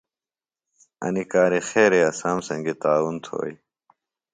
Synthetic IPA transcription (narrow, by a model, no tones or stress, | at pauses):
ɐ̰nikaːɾixeːɾeɐsaːmsɐ̃ŋɡet̪aːwunt̪ʰo̰ːj